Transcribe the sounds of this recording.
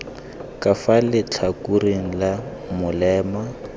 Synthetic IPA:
kʼafalɪt͡ɬʰakʼureŋ̩lamʊlɛːma

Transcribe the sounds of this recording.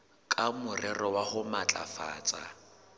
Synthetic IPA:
kʼamʊrɛrɔwaχʊmat͡ɬʼa̰fa̰ːt͡sʼa

